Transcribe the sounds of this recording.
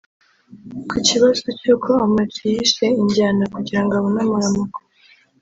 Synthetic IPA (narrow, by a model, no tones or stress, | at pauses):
kiciβazocokʰoamatijiʃeiɲɟaːnakuɟiɾaŋɡaβonamuɾamako̥